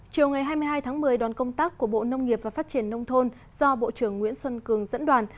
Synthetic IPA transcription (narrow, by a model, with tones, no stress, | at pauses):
t͡ɕi˨˩əwŋa˨˩jɦaː˧jmɨ˧jɦaː˧jt̪ʰaː˨˦ŋmɨ˨˩əjɗwaː˨˩nkə˧wŋ͡mt̪aː˦˥kːu˧˩əɓo̰˧˨nə˧wŋ͡mŋi˨˩əp̚vaː˨˩faː˦˥t̚t͡ɕi˧˩ənːə˧wŋ͡mt̪ʰo˧n | zɔ˧ɓo̰˧˨t͡ɕɨ˧˩əŋːwḭ˧˥ənswə˧nkɨ˨˩əŋzə̰˧˥nɗwaː˨˩n